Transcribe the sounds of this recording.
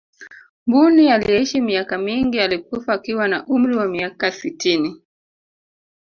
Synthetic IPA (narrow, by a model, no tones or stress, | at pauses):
mbunialijɛiʃimiakamiŋɡialik̚ufaːkiwanaʔum̩ɾiwamiakasitini